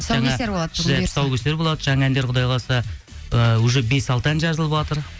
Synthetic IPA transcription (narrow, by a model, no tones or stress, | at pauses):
sʒɑŋɑeɾbolˠɑd̪esɑwkʲest̪eɾbo̞lˠɑd̪əʒɑɴɑænd̪eɾqʰʊd̪ɑjlˠɑsɑ | əwɵʒɪbe̞sɑlˠt̪əænʒɑzəlˠəpwɑt̪əɾ